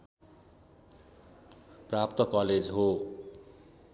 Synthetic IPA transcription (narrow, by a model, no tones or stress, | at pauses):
prap̚t̪ʌkʌled͡zɦo